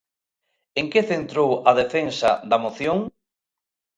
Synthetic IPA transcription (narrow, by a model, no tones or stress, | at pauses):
eŋkeθent̪ɾowɐðefensɐd̪ɐmoθjoŋ